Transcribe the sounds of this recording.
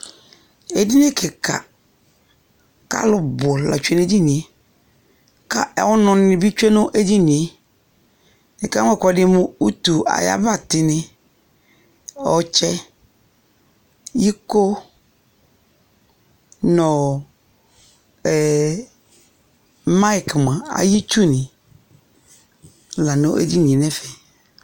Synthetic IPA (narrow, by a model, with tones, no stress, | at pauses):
e˨di˦nɪ̃˦kʰɪ˨ka̰˨ | ka̰˦lʊ˦bʊ˨la̰˨t͡ʃu˦e˦ne˦di˦nĩ˨e˦˨ | ka˦ʔɛ˨wʊ˦nʊ̃˨nɪ̃˨bi˦t͡ʃe˦nʊ̃˦ʔe˦di˦nĩ˨e˦ | nɪ̃˨ka˦ŋʷɛ˦˨kɔ˨dɪ˦mʊ̃˦u˦tu˨ʔa̰˨ja̰˦ba˦tɪ˦nɪ̃˦ | ɔ̰˨t͡ʃɛ˦ | ji˦ko˦ | nɔ̃˨ | ma˦i˨kmã˨a̰˨ji˦t͡ʃu˦nɪ̃˨ | la˨nõ˦ʔḛ˦di˦nĩ˨e˨nɛ̃˦fɛ˨